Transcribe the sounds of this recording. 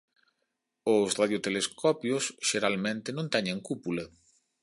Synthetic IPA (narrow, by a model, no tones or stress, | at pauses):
ʊsraðjot̪eleskɔpjʊsʃeɾalmẽnt̪ɪnõnt̪ɛɲẽŋkupulɐ